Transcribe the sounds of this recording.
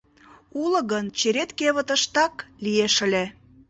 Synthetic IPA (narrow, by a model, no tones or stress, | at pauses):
ulə̆ɣənt͡ɕeɾet̪keβə̆t̪ə̆ʃt̪ɑklijeʃə̆lʲe